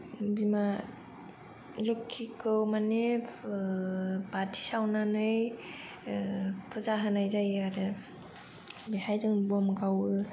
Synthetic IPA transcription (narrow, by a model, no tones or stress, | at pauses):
bima | lukʰːikʰɯwmane | batʰi̥sawnanɯj | pʰɯzaɦɯnajzajaɾɯ | bihajzɯŋbɔmɡawɯ